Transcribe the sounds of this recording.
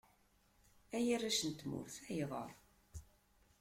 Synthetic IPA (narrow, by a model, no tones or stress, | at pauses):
æjirːæʃənt̪mʊ̰ɾθæjiðˤə̰ɾˤ